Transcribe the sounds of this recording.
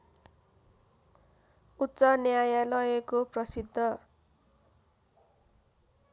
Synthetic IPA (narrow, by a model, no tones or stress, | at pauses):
utːsʌnjajalʌjekoprʌsid̪ʱːʌ